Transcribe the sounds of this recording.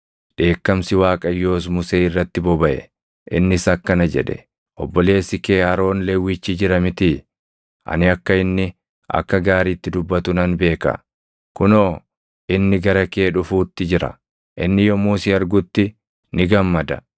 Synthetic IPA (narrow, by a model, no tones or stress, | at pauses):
ᶑe̞ːkːɐmsɪwaːkʼɐjːo̞ːs̬mʊseːɪrːɐt̪ːɪbɔbɐʔɛ̰ | ʔɪnːɪsɐkːɐnɐd͡ʒɛ̰ᶑɛ̥̰ | ʔɔbːɔle̞ːsɪke̞ːhɐɾo̞ːnlɛwːɪt͡ʃːiːd͡ʒɪɾɐmɪt̪ɪ | ʔɐ̰nɪɐkːɐɪnːɪ | ʔɐ̰kːɐɡaːɾiːt̪ːɪd̪ʊbːɐt̪ʊnɐnbe̞ːkɐ̰ | kʊnoː | ɪnːɪɡɐɾɐke̞ːᶑʊfuːt̪ːɪd͡ʒɪɾɐ̰ | ʔɪnːɪjɔmuːsiɐɾɡʊt̪ːɪ | nɪɡɐmːɐd̪ɐ̰